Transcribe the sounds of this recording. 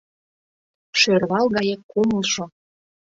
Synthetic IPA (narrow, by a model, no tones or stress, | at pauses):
ʃørβɑlˠɣɑjekuməlˠʃo